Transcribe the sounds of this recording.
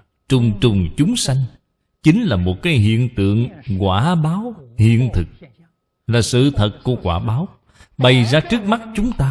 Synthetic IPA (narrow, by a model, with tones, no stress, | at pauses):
t͡ɕʊ˨˩ŋ͡mt͡ɕʊ˨˩ŋ͡mt͡ɕʊ˨˦ŋ͡msa˧jŋ̟ | t͡ɕï˨˦ŋ̟laː˨˩mo˨˩t̚kaː˨˦jɦḭ˧˨ənt̪ɨ̰˧˨əŋkwaː˧˩ɓaː˨˦whḭ˧˨ənt̪ʰɨ˨˩k̚ | laː˨˩sɨ̰˧˨t̪ʰə˨˩t̚ku˧˩əkwaː˧˩ɓaː˨˦w | ɓə˨˩jzaː˧t͡ɕɨ˦˥ək̚ma˦˥t̚t͡ɕʊ˨˦ŋ͡mt̪aː˧